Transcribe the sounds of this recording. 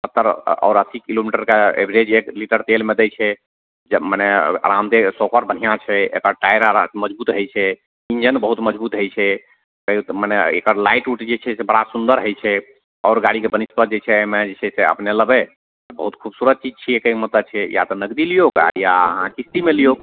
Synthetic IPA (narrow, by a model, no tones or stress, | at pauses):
ət̪ːəɾɔ̰ːɾəsikilomiʈəɾkeḛbʱɾed͡ʒekliʈəɾt̪elmed̪ɛt͡ʃʰɛ | d͡ʒmənɛə̰ɾamt̪esokəɾbən̤ijãt͡ʃʰɛḛkəɾʈajɾaməd͡ʒbut̪ɦəjt͡ʃʰɛ | ind͡ʒənbəɦut̪məd͡ʒbut̪ɦəjt͡ʃʰɛ | kəit̪mənɛḛkəɾlaiʈuʈd͡ʒet͡ʃʰɛsebəɽasund̪əɾɦəjt͡ʃʰɛ | ɔːɾɡaɽikebənispət̪̚d͡ʒet͡ʃʰɛmed͡ʒet͡ʃʰɛseə̰pneləbe | bə̰ɦut̪kʰubsuɾəd̪̚t͡ʃid͡ʒt͡ʃʰiekəimət̪ət͡ʃʰɛja̰t̪ɔnəɡd̪ilijoka̰jaəɦãkist̪imelijok